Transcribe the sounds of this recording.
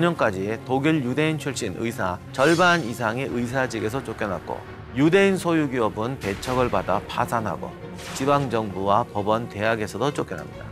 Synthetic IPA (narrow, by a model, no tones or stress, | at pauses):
ʌɲʌnk͈ad͡ʑietoɡiɭjude̞int͡ɕʰuɭɕ͈inɯ̰isʰat͡ɕʌɭbanisʰaŋe̞ʔɯis̬ʰad͡ʑiɡe̞s̬ʰʌt͡ɕ͈ok͈ʌnɦa̰t̚k͈o̰ | jude̞insʰojuɡiʌbɯnpe̞t͡ɕʰʌɡɯɭbadapʰasʰanɦa̰ɡo̰ | t͡ɕibaŋd͡ʑʌŋbuwapʌbʌnte̞ɦaɡe̞sʰʌdot͡ɕ͈ok͈jʌna̰mɲida